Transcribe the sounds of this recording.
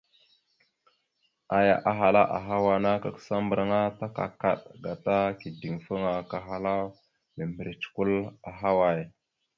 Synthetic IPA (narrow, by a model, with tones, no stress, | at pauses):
a˨ja̰˨ʔa˨ɦa˨la˦ʔa̰˨ɦa˦wa˨na˦ka˨ksa˦mbə˨ɾa˦ŋa˦ta˦ka̰˨ka˨ɗɡa˨ta˦ki˨di˨ŋfə˦ŋa˨ka˨ɦa˨la˦ | mə˨mbə˨ɾi˨t͡ʃku˦la˨ɦa˦wa˨j